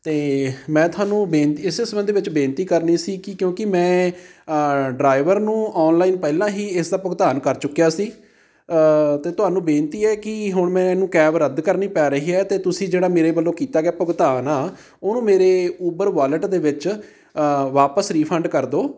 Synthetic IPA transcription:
t̪eːmɛ̃ːt̪ʊaːnũːbeːnt̪iːɪseːsəbənd̪iːʋɪt͡ʃbẽːnt̪iːkəɾniːsiːkɪkjõːkɪmɛ̃ː | ɖɾaːɪʋəɾnũːʔɔːnlaːiːnpɛːlãːɦiːɪsd̪aːpəɡt̪aːnkəɾt͡ʃʊkːjaːsiː | t̪eːt̪ʊɦaːnũːbeːnt̪iːɛːkɪɦʊɳmɛ̃ːnũːkɛːʋɾəd̪kəɾniːpɛːɾəɦiːɛːt̪eːt̪ʊsĩːd͡ʒeːɽaːmeːɾeːbəlːoːkiːt̪aːɡɛːpəɡt̪aːnaː | oːnũːmeːɾeːuːbəɾʋaːləʈd̪eːʋɪt͡ʃ | ʋaːpəsɾiːpʰə̃ɳɖkəɾd̪oː

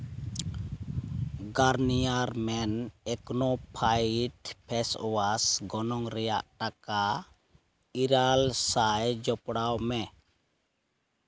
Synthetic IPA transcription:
ɡaɾnijaɾmɛnɛknɔpʰajʈpʰɛsɔwasɡɔnɔŋɾɛja̰ʔʈaka | iɾalsajd͡ʒɔpɽawmɛ

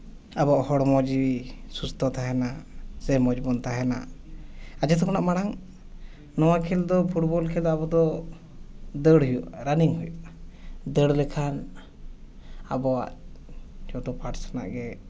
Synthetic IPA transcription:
abɔʔhɔɽmɔd͡ʒisust̪ʰɔt̪aɦɛnasɛmɔd͡ʒbɔnt̪aɦɛna̰ | ad͡ʒɛt̪ʰɔkɔnaʔmaɽaŋ | nɔwakʰɛld̪ɔpʰuʈbɔlkʰɛlabɔd̪ɔ | d̪əɽɦujṵʔɾaniŋɦujṵʔd̪əɽlɛkʰan | a̰bɔwa̰ʔ | d͡ʒɔd̪ɔpaʈsḁna̰ʔɡɛ

